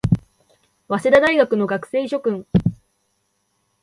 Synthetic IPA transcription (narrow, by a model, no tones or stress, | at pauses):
βased̪ad̪aiɡakɯ̟no̞ɡakɯ̟̥se̞ːiɕo̞kɯ̟̃ɴ̃